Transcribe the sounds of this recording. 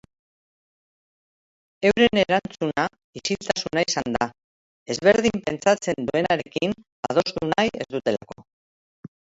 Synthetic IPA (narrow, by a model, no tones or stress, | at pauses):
e̞wɾe̞ne̞ɾant͡suna | isilt̪asunaisand̪a | e̞zβe̞ɾð̞impe̞nt͡sat͡se̞nd̪ue̞naɾe̞kin | að̞o̞st̪unaje̞̰zðut̪e̞la̰ko̞